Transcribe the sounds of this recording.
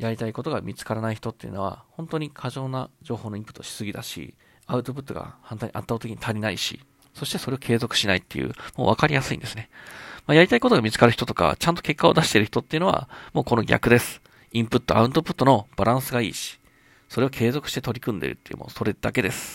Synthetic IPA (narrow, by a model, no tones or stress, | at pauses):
jaɾʲit̪aiko̞t̪o̞ɡamʲit͡sɨ̥kaɾanaiçi̥t̪o̞t̪ːejɯ̟̰no̞βa̰hõ̞nt̪o̞ɲ̟ikʰaʑo̞ːnad͡ʑo̞ːho̞ːnoĩmpɯ̟t̪ːoɕi̥sɨɡʲid̪aɕḭ | aɯt̪o̞p̬ɯ̟t̪ːo̞ɡa̰hãnt̪aːɲ̟iʔa̰t̪ːaːt̪ekʲiɲ̟i̥t̪ʰaɾʲinaiɕḭ | so̞ɕi̥t̪e̞soɾe̞okʰe̞ːzo̞kɯ̟̥ɕinait̪ːe̞̰jɯ̰mo̰ːβakaɾʲijasɨḭ̃nd̪e̞sɨ̥nemajaɾʲit̪aiko̞t̪o̞ɡamʲit͡sɨ̥kaɾɯ̟çi̥t̪ot̪o̞ka̰t͡ɕãnt̪o̞ke̞kːao̞d̪aɕi̥t̪e̞ɾɯ̟çi̥t̪ot̪ːeiɯ̟no̞βa̰mo̞ːko̞no̞ɡʲa̰kɯ̟d̪e̞sɨ̥ | ĩmpɯ̟t̪ːo̞ʔa̰ɯ̟̃nt̪o̞pɯ̟t̪ːo̞no̞b̥aɾãɰ̃sɨɡaḭːɕi̥ | so̞ɾe̞okʰe̞ːzo̞kɯ̟̥ɕit̪e̞t̪o̞ɾʲikɯ̟̃nd̪ḛɾɯ̟̰t̪ːejɯ̰̟mo̰ːso̞ɾe̞d̪ake̞d̪e̞sɨ̥